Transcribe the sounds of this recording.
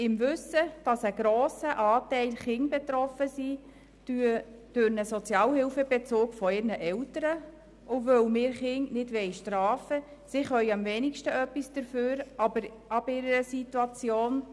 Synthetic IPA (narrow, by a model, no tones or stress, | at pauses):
ɪmvʏsəd̥ɑsəɡɾɔoːsəʔɑːtɛɪlχɪŋbɛt̪ɾɔfəsi | d̥yə | d̥øɾnəsɔt͡sjɑːlhɪlfəbɛt͡soːkfɔɪɾnəʔɛwtəɾə | ʔovœwmɪːɾχɪŋnɪdʋɛɪʃtɾɑːfə | sɪχœʏɑmvɛnɪkʃtəœpːisd̥əɾføːɾɑbəɾ | ɑbɪɾəɾəsituɑt͡sjoːn